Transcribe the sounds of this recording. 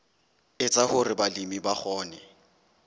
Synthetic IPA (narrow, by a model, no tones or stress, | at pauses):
ɪt͡sʼahʊrɪbalimibaχɔːnɛ